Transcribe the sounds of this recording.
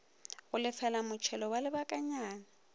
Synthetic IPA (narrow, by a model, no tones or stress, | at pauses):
ɣʊlɪfɛlamʊt͡ʃʰɛlɔwalɪbakʼaɲaːna